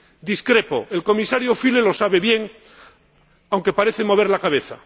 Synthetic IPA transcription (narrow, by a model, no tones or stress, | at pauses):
d̪iskɾe̞po̞̰elko̞misaɾjofile̞lo̞saβe̞βje̞ŋ | awŋke̞paɾe̞θemo̞βe̞ɾlakaβ̞e̞θa